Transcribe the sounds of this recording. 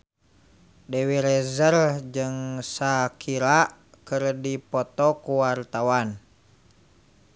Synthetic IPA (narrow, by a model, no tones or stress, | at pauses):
dɛwiɾɛzərd͡ʒɨŋsakʰiɾaʔ | kɨrdipɔt̪ɔkuwart̪awan